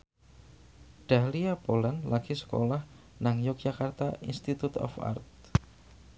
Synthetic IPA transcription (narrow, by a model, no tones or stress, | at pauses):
ɖ̥aliapolanlʔaɡ̥isə̥ko̰lah | naŋjuk̚d͡ʒ̥akart̪aḭnst̪it̪ut̪ɔ̰fa̰rt̪̚